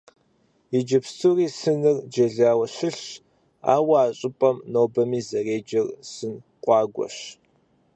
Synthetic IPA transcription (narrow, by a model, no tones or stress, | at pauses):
id͡ʒɐpsuriːsɨnɨrd͡ʒɐɮaːwɐɕɪɬ | a̰ːwɐaːɕʼɪpʼɐmnoːbɐmiːzɐreːd͡ʒɐrsɨn | qʷʼɑːɡʷɔ̰ɕ